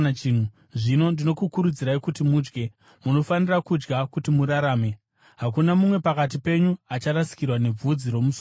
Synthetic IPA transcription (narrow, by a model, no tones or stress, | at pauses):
in̤u | ʐino̞ndino̞kukuɾud͡ziɾaikutimuːd͡ʒɡe̞ | muno̞fanirakud͡ʒɡakutimuɾaɾaːme̞ | ɦakunamumwe̞pakat̬ipe̞ɲuat͡ʃaɾasi̥kirwane̞b͡vud͡ziɾo̞mus